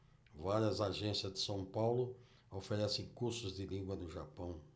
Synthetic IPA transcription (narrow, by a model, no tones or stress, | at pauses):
vaɾiɐzaʒẽsiɐzd̪ɪsɐ̃w̃pawlʊ | ofeɾɛsẽj̃kuɾsʊzd̪ɪlĩɡwɐnʊʒa̰pɐ̃w̃